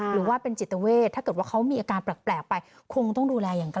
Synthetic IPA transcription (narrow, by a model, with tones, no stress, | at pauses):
ɾɯː˩˦waː˥˩pe˧nt͡ɕi˨˩t̪ːa˧weː˥˩t̪ʰa˥˩kɤ˨˩waː˥˩kʰa˦˥wmiː˧ʔaː˧kaː˧npɾa˨˩k̚plɛː˨˩k̚pa˧j | kʰo˧ŋt̪ɔ˥˩duː˧lɛː˧jaː˨˩ŋk